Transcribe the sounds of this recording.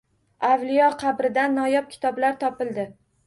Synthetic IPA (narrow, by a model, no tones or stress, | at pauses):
avlɪjɒqʰɑbɾɪd̪anːɒjɒp̚kʲʰɪ̥t̪ʰɒblaɾt̪ʰɒpɪlˠd̪ɪ